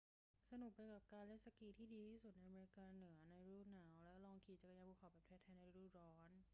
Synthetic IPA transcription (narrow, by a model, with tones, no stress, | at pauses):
sa˧nu˨˩k̚pa˧jka˨˩p̚kaː˧nle˥˩n̚sa˧kiː˧t̪ʰiː˥˩diː˧t̪ʰiː˥˩su˨˩t̪̚na˧jʔa˧me˧ɾi˧kaː˧nɯ˩˦ɐna˧jɾuː˥˩t̪̚naː˩˦wlɛː˦˥wlɔː˧ŋkʰiː˨˩t͡ɕa˨˩kjaː˧puː˧˩kʰa˨˩wpa˨˩pt̪ʰɛ˧˥t̪ʰɛː˧na˧ɾuː˥˩t̪̚ɾɔː˦˥n